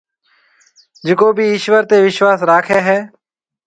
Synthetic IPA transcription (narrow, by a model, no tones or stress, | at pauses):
d͡ʒɪkoːbʱiːɪːʃʋəɾt̪eːʋɪʃʋaːsɾaːkʰeːɦɛː